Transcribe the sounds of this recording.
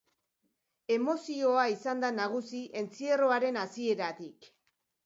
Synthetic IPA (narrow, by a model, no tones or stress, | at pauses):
e̞mo̞sio̞aisand̪anaɣ̞usiʔe̞nt͡sie̞ro̞aɾe̞nasie̞ɾat̪ik